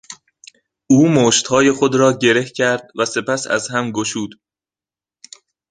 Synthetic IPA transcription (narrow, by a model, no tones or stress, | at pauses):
ʔuːmoːʃt̪hɒːje̞xod̪ɾɒːɟe̞ɾe̞hcʰæɾd̪̥̚væse̞pæsæ̰zhæmɡoʃuːd̪̥